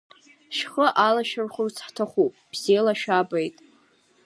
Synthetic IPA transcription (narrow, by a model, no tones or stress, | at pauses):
ʃχəʔalaʃᶣarχʊrt͡sʰħtʰaχʷupʼb̥z̥elaʃᶣabejtʼ